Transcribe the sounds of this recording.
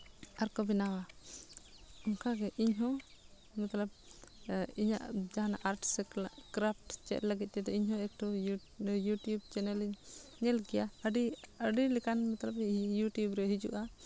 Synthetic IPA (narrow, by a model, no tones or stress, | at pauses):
aɾkɔbɛnawa | ɔŋkaɡɛʔiɲɦɔ̃ | mɛt̪lab̚ | iɲa̰ʔd͡ʒaɦanaʔaɾʈsɛkɾap̚ʰʈt͡ʃɛ̰t̪̚ləɡit̪̚ˀt͡ʃɛd̪ɔiɲhɔ̃ɛk̚ʈu | juʈjubt͡ʃɛnɛliɲɲɛlɡɛjaəɖiəɖilɛkanmɛt̪labjuʈjubɾɛɦid͡ʒṵʔa